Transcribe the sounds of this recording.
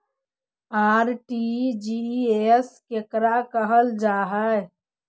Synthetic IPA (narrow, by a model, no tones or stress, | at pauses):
aːɾʈid͡ʒieskekɾakəɦəld͡ʒaːɦə